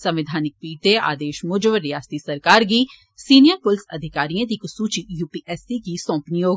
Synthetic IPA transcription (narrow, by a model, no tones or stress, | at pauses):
sɐ̃mʋɪd̪ʱaːnɪk̚piːt̪ea̰ːd̪eːʃmʊd͡ʒəʋɾɪjaːst̪isɐɾkaːɾɡiː | siːnijəɾpʊlsɐ̰d̪ʱɪkaːɾijãd̪iːkʊsuːt͡ʃijuːpiːʔɛːsiɡisɔ̃ːpnijoː